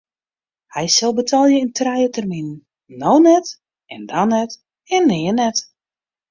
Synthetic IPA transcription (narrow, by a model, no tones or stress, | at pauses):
hɛjsɪlˠbətʰɔlˠjəintrɛjətərminnː | oːnɛt | ɛndanɛt | ɛnːɪːənɛt